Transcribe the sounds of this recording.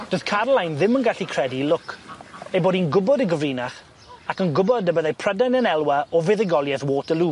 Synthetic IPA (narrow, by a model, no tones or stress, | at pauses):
d̥oθkʰarlˠajnðɪmənɡaɬikʰr̥ɛdilʊkejboːdinɡʊbɔdəɡəviːnaχ | akənɡʊbɔdəbəðejpʰr̥ədɛnənɛlˠwaɔvɪðɪɡɔlˠjɛθwoːtəluː